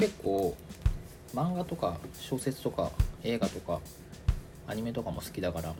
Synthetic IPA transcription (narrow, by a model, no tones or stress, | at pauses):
ke̞kːo̞ː | mãŋɡat̪o̞kaɕo̞ːse̞t͡sɨ̥t̪o̞ka̰e̞ːɡat̪o̞ka | aɲ̟ime̞t̪o̞kamo̞sɨ̥kʲid̪akaɾa